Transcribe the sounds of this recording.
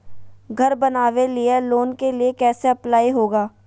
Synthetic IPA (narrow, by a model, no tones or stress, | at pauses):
ɡʱɐɾbɐnaːʋelieloːnkeliekɛːseɐplaːiɦoːɡaː